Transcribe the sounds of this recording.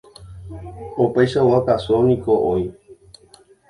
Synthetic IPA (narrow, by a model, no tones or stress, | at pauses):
opajʃawakasonĩkoʔoi